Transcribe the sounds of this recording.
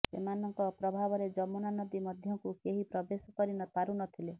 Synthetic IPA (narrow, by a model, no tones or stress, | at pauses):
sḛmanɔŋkɔpɾɔbʱabɔɾed͡ʒɔmɔnanɔd̪imɔd̪ʱjɔŋkukeɦipɾɔbesɔkɔɾinɔt̪aɾunɔt̪ʰile